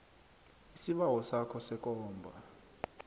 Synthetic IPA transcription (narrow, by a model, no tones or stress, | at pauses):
isiɓawɔsakʰɔsɛkʼɔːmbʱa̰